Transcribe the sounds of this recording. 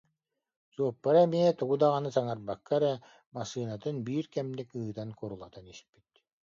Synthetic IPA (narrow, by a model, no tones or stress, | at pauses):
z̥uɔpːaɾɛmiɛt̪uɡud̪aʁanɯsaŋaɾbakːaɾɛ | masɯːnat̪ɯnbiːɾkɛmnikɯːd̪ankɔɾulˠat̪anispit̪̚